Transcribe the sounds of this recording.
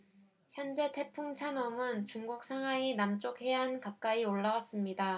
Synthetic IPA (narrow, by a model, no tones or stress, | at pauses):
çjʌnd͡ʑe̞tʰe̞pʰuŋt͡ɕʰanʌmɯnt͡ɕuŋɡuk̚sʰaŋɦwainamt͡ɕ͈okhe̞ankak̚k͈aioɭːawas͈ɯmɲida